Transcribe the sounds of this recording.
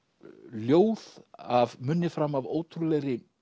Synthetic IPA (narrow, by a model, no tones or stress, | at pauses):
ljoːwðavmʏnːɪfɾamavoːwt̪ʰɾulɛɣɾɪ